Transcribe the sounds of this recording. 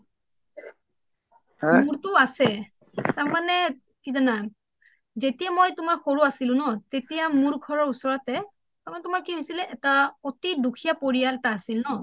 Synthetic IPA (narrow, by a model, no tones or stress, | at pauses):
muɹtʊasɛ | taɹmanɛ | kizana | zetijamojtʊmaɹxoɹuasilʊ̃nɔtetijamuɹɡʱɔɹɔɹusɔɹɔtɛ | taɹmanɛtumaɹkiɦojsilɛʔɛtaotidukʰijapoɹijaltaːsilnɔ